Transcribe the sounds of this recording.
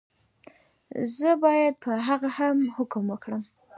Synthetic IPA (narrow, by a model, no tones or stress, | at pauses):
zəbɑjad̪̚pʰəɦaɣahamhʊkʊmwəkɽəm